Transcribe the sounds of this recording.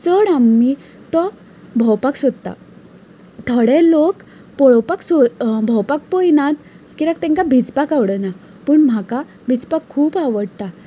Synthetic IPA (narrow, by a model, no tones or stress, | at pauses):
t͡səɽamːi | t̪ɔ | bʱəwpaksod̪̚t̪a̰ | t̪ʰəɽɛlok | pɔɭpaksobʱəwpak̚pojnat̪ | kiɾak̚t̪ɛ̃ŋkabʱit͡spakaʋɽəna | pəːɳm̤aka | bʱit͡spakʰːuːpaʋəɽt̪a